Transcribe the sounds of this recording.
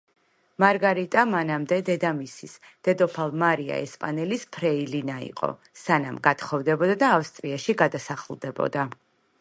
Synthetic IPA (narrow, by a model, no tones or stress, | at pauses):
maɾɡaɾit̪ʼamanamd̪ɛd̪ɛd̪amisis | d̪̥ɛd̪ɔpʰalˠmaɾia̰ɛ̰spʼanɛlispʰɾɛilinaḭqʼɔ̰ | sanamɡat̪ʰχɔvd̪ɛbɔd̪ad̪aːfst̪ʼɾiaʃiɡad̪asaχlˠd̪ɛbɔ̰d̪a